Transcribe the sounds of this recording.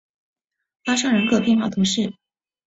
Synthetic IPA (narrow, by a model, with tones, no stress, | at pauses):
fa˥ʂɑ˥ŋɻə˧˥kʰɤ˥˩pjɛ˥˧nxwa˥˩t̪ʰu˧˥ʂɻ̩˥˩